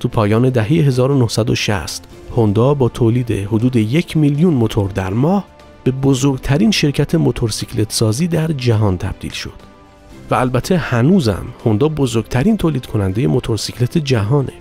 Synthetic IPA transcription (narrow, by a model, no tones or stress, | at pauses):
t̪ʰuːpʰɒːjɒːne̞d̪æɦe̞jeɦe̞zɒːɾonohsæd̪o̰ʃæ̰st̪ | hond̪ɒːbɒːt̪ʰoːliːd̪e̞̰hod̪uːd̪eje̞cʰmiljunmot̪ʰoɾd̪æɾmɒːh | b̥e̞bozoɾɡt̪ʰæɾiːnʃe̞ɾcʰæt̪ʰe̞mo̞t̪ʰo̞ɾsicʰlet̪sɒːziːd̪æɾd͡ʒæɦɒːnt̪ʰæb̥̚d̪̥ḭːlʃo̞̰d̪̥ | væːlbæt̪ʰe̞hænuːzæ̰mho̞nd̪ɒːbozoɾɡ̥t̪ʰæɾiːnt̪ʰoːliːd̪kʰo̞nænd̪e̞je̞mo̞t̪ʰo̞ɾsicʰlet̪ʰed͡ʒæɦɒːne̞̰